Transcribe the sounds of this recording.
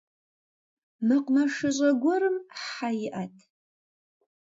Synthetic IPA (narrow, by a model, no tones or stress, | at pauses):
naqʷʼnaʂɨɕʷʼaɡʷaɾɨmħajiʔatʰʼ